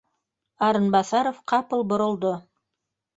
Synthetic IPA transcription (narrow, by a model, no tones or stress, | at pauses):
ɑɾənbɑsɑɾofqʰɑpəlˠboɾə̆lˠd̪ə